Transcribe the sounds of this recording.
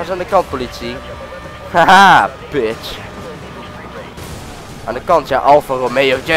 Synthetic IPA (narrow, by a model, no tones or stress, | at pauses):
asaːndəkɑnt̚politsi | haapɪt͡ʃ | ã̰ːndəkɑntjaʔɑlˠfaromejɔfd͡ʒɛ